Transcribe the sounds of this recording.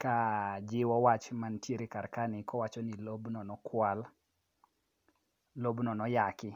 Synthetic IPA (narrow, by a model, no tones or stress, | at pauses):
kad͡ʒɪwɔwat͡ʃmantjeɾekarkanɪkɔwat͡ʃɔnilobnɔnɔkʰwal | lobnɔnɔjakɪ